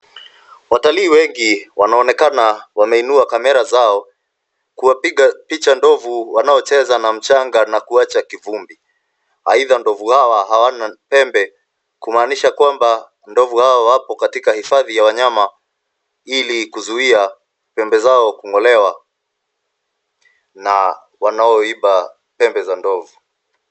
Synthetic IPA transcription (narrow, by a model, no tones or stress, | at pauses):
wataliːwɛŋɡiwanaɔnɛkanawamɛinuakamɛɾazaɔ | kuwapiɠapit͡ʃandɔvuwanaɔt͡ʃɛzanam̩t͡ʃaŋɡanakuat͡ʃakivumbi | a̰iðandɔvuhawaɦawanapɛmbɛ | kumaːniʃakwamba | ndɔvuhaɔwapɔkatikahifaðijawaɲama | ilikuzuia | pɛmbɛzaɔkuŋɔlɛwa | na | wanaɔiɓa | pɛmbɛzandɔvu